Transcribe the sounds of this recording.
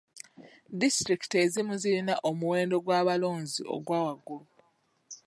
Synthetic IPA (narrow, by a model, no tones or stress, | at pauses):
distɾiki̥tezimuzilinaʔomuwe̞ːndo̞ɡwaːβalo̞ːnzḭʔo̞̰ɡwaːwaɡːulu